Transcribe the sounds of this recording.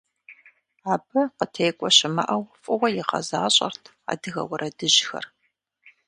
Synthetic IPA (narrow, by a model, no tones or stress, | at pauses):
aːbɨqətʰeːkʷʼɔɕɪmɐ̰ʔɐwfʼɨʁʷɐjɪqɐ̰zaːɕʼɐ̰rtʰ | a̰ːdɨɣɐ̰wɐɾʔɐdɨʑxɐ̰r